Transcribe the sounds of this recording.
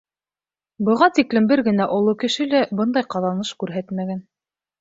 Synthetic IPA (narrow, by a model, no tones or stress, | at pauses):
bɤ̆lˠʁɑnt̪iklɘ̆mbɘɾɡɘ̆næʔŏlˠokɘ̆ʃɘ̆læbɤnd̪ɑjqɑðɑnɤʃkʉɾɦæt̪mæɡæn